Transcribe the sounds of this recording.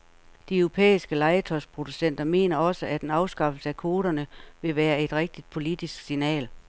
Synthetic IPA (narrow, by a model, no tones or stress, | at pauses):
d̥iœʊʁo̝pʰḛːisɡ̥əlɑ̈ɪət͡sʰɒspʰʁo̝d̥usen̰d̥ɐme̝̰ːnɐɒ̽səʔæd̥enɑ̈ʊsɡ̥ɑ̈fl̩səækʰo̝ːɾ̥ɐnəʋe̝ʋæːɐe̝d̥ʁɛɡ̥̚d̥id̥̚pʰo̝lid̥isɡ̥sinɛ̰ːl